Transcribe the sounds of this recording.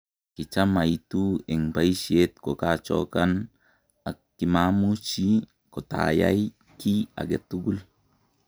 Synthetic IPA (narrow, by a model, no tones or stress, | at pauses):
kit͡ʃamajtuɛŋbajʃiet̪kɔkat͡ʃɔ̰kan | akː | imamut͡ʃi | kɔta̰ja̰j | kia̰ɡɛt̪ːuɡul